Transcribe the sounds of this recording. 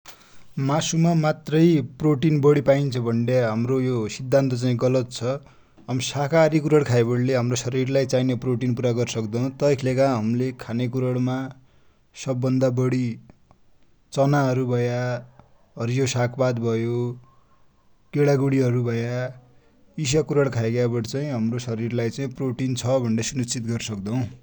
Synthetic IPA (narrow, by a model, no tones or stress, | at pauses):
masumamat̪rʌjproʈinbʌɽipaint͡sʰʌbʱʌɳɖeɦamrojosid̪ʱːant̪ʌt͡saĩɡʌlʌt̪̚t͡sʰʌ | ɦʌmsakaɾikuɾʌɽkʰajbʌɽleɦamrosʌɾirlajt͡sajnʌproʈinpuɾaɡʌɾsʌkd̪ʌ̃t̪ʌjkʰlekaɦʌmlekʰanek̬uɾʌɽma | sʌbːʌnd̪abʌɽi | t͡sʌnaɦʌɾubʱʌjaa | ɦʌɾijosakʰbad̪bʱʌjo | keɽaɡuɽiɦʌɾubʱʌja | is̬akuɾʌɽkʰaeɡjabʌɽt͡saĩɦʌmrosʌɾirlajt͡saĩproʈint͡sʰʌbʱʌɳɖʌsunit͡sit̪ɡʌrsʌkd̪ʌw̃